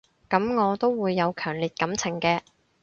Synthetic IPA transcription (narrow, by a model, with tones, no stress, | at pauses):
kɐ˨˥mŋɔː˨˧t̪o˥wːuː˨˧jːɐ˨˧wkʰœː˨˩ŋliː˨t̚kɐ˨˥mt͡sʰɪ˨˩ŋkɛː˧